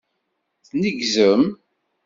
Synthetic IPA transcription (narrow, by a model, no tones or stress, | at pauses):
θnəɡzəm